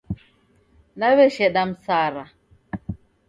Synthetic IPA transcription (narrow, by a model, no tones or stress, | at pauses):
naβɛʃɛɗam̩saɾa